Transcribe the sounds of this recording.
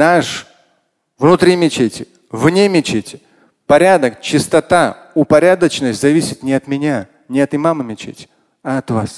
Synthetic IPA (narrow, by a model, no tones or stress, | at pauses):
naʂ | vnʊt̪ɾʲimʲɪt͡ɕetʲɪ | vnʲemʲɪt͡ɕetʲɪ | pɐɾʲad̪əkt͡ɕɪst̪ɐt̪a | ʊpɐɾʲad̪ət͡ɕnəsʲtʲzɐvʲisʲɪt̪nʲɪɐt̪mʲɪnʲa | nʲɪɐt̪ɨmamɨmʲɪt͡ɕḛtʲɪ̥ | ɐɐt̪vas